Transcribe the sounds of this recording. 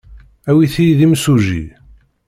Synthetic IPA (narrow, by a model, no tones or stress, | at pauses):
æwiθijðimsuʒḭ